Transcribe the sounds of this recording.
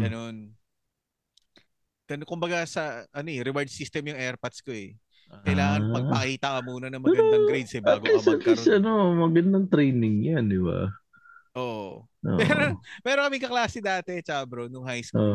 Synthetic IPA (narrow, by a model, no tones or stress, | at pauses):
ɡ̥ɐno̞n | ɡ̥ɐnokʊmbɐɡasɐʔɐno̞ɛɾɪwaɹd̪sist̪ɛmjʊŋʔɛɹpɐt̪sko̞ɛ | kɐjlaːŋɐpɐɡ̚pɐkhiːt̪ɐkɐmuːnɐnɐŋmɐɡd̪ɐŋɡɾejd̪sɛbaːɡolisɐt̪lisɐnomɐɡɐnd̪ɐŋt̪ɾɛjnɪŋjand̪ɪba̰ | ʔoːʔo | ʔo̰ʔmɛːɾomɛːɾokɐmɪŋkɐklaːsɪd̪aːt̪ɛt͡ʃaːbɾo̞nʊŋɦajso